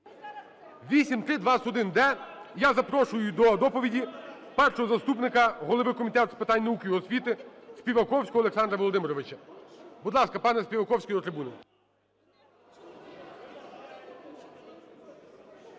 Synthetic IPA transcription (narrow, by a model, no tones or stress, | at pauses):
ʋʲisʲimt̪ɾɪd̪ʋɑsɔd̪ɪnd̪ɛjazɐpɾɔʃʊjʊd̪ɔd̪ɔpɔʋʲidʲi | pɛrʃɔɦɔzɐst̪upnɪkɐɦɔlˠoʋɪkɔmʲit̪ɛt̪spɪt̪ɑnʲnɐukʲɪjɔsʲʋʲit̪ɪspʲiʋɐkɔwsʲkɔɦɔleksɑnd̪ɾɐʋɔlˠɔd̪ɪmɪɾɔʋɪt͡ʃɐbud̪lˠɑskɐpɑnɛsʲpʲiʋɐkɔwsʲkɔjd̪ɔt̪ɾɪbunɐ